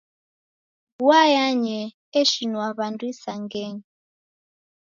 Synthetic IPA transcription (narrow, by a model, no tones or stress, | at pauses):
wajaɲɛ | ɛʃinwaβandwisaŋɡɛŋ